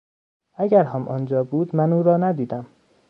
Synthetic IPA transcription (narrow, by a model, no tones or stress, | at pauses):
æɡɟæɾɦæmʔɒnd͡ʒɒːbuːd̪mænuːɾɒːnæd̪iːd̪æm